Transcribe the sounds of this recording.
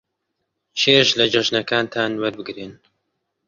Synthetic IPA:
ʃʰeːʃlɐd͡ʒɐʒnɐkʰaːnt̪ʰaːnwɐɾbɨɡɾeːn

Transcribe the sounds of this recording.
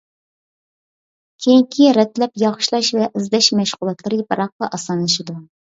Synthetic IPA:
kʲʰeŋkʲʰiɾɛt̪lɛpjɑʁʊ̥ʃlˠɑʃvɛʔɨzd̪ɛʃmɛʃʁʊlˠɑt̪lˠɨɾɨbɑɾɑq̚q̪ɑʔɑsɑnlˠɨʃɨd̪u

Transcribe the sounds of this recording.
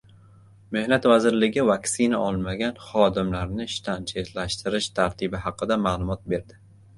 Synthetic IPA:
me̞hnat̪vazɪɾlɪɡʲɪvaksɪnaʔɒlˠmaɡʲanχɒd̪ɪmlaɾnɪʃt̪ʰant͡ʃʰet̪laʃt̪ɪɾɪʃt̪ʰaɾt̪ʰɪbɪɦɑqɨd̪amaːlˠʊmɒt̪̚be̞ɾd̪ɪ

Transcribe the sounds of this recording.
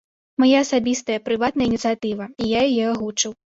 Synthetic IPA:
majaɐsabʲist̪ɐjɐpɾɨvat̪nɐjɐinʲit̪sɨjat̪ɨvɐijajajɛaɣut͡ʂɨw

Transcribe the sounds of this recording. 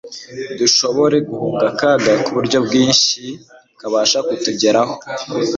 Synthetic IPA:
duʃo̞βo̞ɾe̞ɡuhuːɡakaɡakuβuɾɟo̞bɡiːnʃi | kaβaːʃakutuɟeɾaho

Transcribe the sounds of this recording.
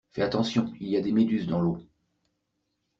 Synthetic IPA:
fɛat̪ɑ̃sjɔ̃iliad̪emed̪yzd̪ɑ̃lo

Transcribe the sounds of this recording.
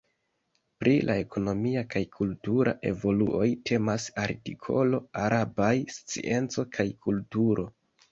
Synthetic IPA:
pɾʔilʔae̞kʰo̞no̞miakajkʰultuɾa̰ʔe̞vo̞luʔo̞jtʰe̞masaɾtikʰo̞lo̞aɾabajst͡sḭʔe̞nt͡so̞kʰajkʰultuɾʔo̞

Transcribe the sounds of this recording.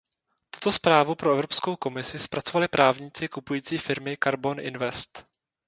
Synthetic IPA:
t̪u̥t̪o̞spɾaːvupɾoɛvɾo̞pskowko̞mɪsɪspɾat͡so̞valɪpɾʔaːvɲɪt͡sɪkupujiːt͡siːfɪɾmɪkaɾbo̞nʔɪ̰nvɛst̪

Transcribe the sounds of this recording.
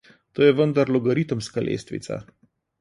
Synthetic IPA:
t̪oːjɛʋənd̪aɾlɔɡɐɾit̪əmskalʔḛːst̪ʋḭt̪sa̰

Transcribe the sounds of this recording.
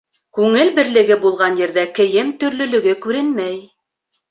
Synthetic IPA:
kʉŋɘlbɘ̆ɾlɘ̆ɡɘbulˠʁɑnjɘ̆ɾðækɘ̆jɘmt̪ɵ̆ɾlɵ̆lɵ̆ɡɘkʉɾɘnmæj

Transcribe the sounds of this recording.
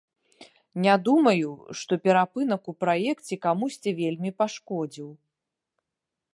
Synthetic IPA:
nʲad̪umɐjuʂt̪ɔpʲɛɾapɨnɐkupɾajɛkt͡sʲɛkamusʲt͡sʲɛvʲelʲmʲipaʂkɔd͡zʲiw

